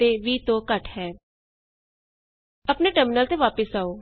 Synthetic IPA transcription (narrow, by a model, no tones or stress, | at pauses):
eːʋiːt̪õːkəʈɦɛː | əpneːʈəɾmɪnəlt̪eːʋaːpəsaːoː